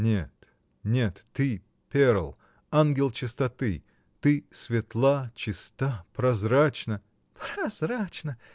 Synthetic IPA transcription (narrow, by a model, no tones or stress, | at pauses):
nʲet̪ | nʲet̪ːɨ | pʲeɾəlˠ | anɡʲɪlˠt͡ɕɪst̪ɐt̪ɨ | t̪ɨsʲvʲɪt̪lˠat͡ɕɪst̪apɾɐzɾat͡ɕnə | pɾɐzɾat͡ɕnə